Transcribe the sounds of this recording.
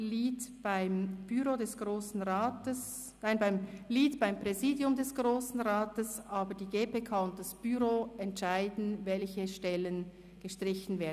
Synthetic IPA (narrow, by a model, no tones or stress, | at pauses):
liːtb̥aɪmb̥yɾoːdɛsɡ̥ʁoːsn̩ʁaːtəs | naɪnbaɪmliːtb̥aɪmpʁ̥ɛziːdjʊmdɛsɡ̥ʁoːsn̩ʁaːtəsʔaːbədiːɡeːpekʰaːʊnt̚d̥asb̥yʁoːɛntʃaɪdn̩vɛlçəʃtɛlən | ɡ̥əʃtʁ̥ɪçn̩veːɐd